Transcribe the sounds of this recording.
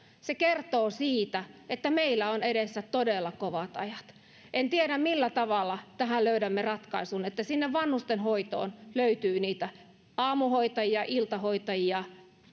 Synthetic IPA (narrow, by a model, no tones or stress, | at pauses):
sekert̪oːsiːt̪æet̪ːæmeilːæoneɾesːæt̪t̪odelːɑkoʋɑt̪ɑ̰jɑt̪ | ʔent̪ieɾæmmilːæt̪ɑʋɑlːˑɑt̪æhælløyɾæmːerɑt̪kɑisunet̪ːæsinːeʋʋɑnhust̪enhoit̪o̰ːnløyt̪yːniːt̪æ | ɑːmuhoit̪ɑjiɑʔilt̪ɑhoit̪ɑjiɑ